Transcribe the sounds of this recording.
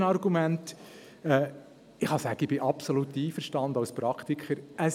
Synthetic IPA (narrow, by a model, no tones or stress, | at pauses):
nɑrɡumænt | ɛː | ɪχɑsæːɡ̥əɪbɪʔɑpsolut̪ːiːfəɾʃtɑnd̪ɑʊspɾɑkt̪ikʰχəɾə